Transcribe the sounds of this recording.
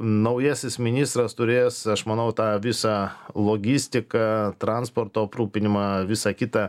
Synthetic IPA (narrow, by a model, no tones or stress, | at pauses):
nɐʊjɛːsʲɪsmʲɪnʲiːst̪ɾɐst̪ʊɾʲeːsɐʃmɐnɐʊt̪ɑːʋʲɪsɑlˠoːɡʲɪsʲt̪ʲɪkɑt̪ɾɐnspoːrt̪oːɐpɾruːpʲɪnʲɪmɑːʋʲɪsɑkʲɪt̪ɑ